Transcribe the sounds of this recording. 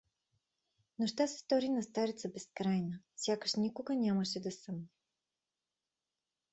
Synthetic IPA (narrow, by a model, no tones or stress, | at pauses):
noʃt̪asɛ̥st̪ɔɾinɐst̪aɾit̪səbɛskɾajnəfsʲjakəʃnikʊɡənʲaməʃɛd̪ɐsəmnɛ